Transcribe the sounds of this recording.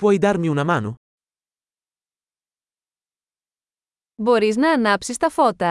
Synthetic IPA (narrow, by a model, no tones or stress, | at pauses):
pwɔjd̪aɾmiunɐmano | boɾiznɐːnɐpsist̪ɐfɔt̪ɐ